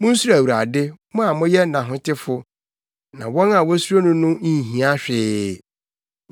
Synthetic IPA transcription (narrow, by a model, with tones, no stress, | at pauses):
mʊ̃˦n̩˦su˦˨æ˨wu˨ɾa̰˨dɪ˦mʊ̃˦a˨mʊ̃˦jɛ˦nã˨ɦʊ̃˦tɪ˦fʊ˦ | nã˨wɔ̃˦na˨wɔ˦su˦ɾo˦nʊ̃˦nʊ̃˦˨ɦĩ˨a˦ɕᶣɪ˦˨